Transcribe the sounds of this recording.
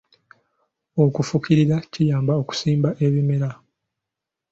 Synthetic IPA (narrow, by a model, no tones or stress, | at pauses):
okufukiɾiɾacijaːmbao̞ku̥siːmbaʔeβimeɾa